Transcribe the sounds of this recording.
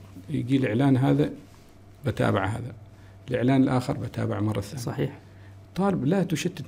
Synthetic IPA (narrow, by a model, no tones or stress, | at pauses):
jɡiːlʔɪʕlaːnɦaːða | bat̪a̰ːbaʕɦa̰ːða | ɪlʔɪʕlaːnɪlʔaːxɪ̰ɾˤbat̪a̰ːbaʕmɑrˤːɑθaːɑiː | t̪ˤːɑːlɪblat̪uʃɪt̪ː